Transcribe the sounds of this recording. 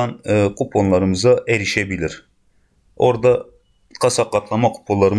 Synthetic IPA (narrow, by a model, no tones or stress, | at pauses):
ɑnkʰupʰonlˠɑɾɯmɯzɑʔeɾiʃebilʲiɾ | oɾd̪ɑ | qʰɑsɑqːɑt̪ʰlˠɑmɑqʰu̥pʰollˠɑɾɯm